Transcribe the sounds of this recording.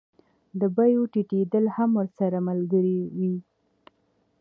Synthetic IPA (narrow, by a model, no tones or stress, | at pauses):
d̪əbajoʈiʈed̪əlhamwəɾsaɾamalɡəɾiwi